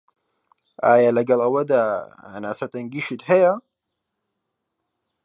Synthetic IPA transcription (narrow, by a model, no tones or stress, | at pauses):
ʔaːjalɐɡɐlˠɐwɐd̪aːɐ̰naːsɐt̪ɐŋɡiʃit̪hɐjɐ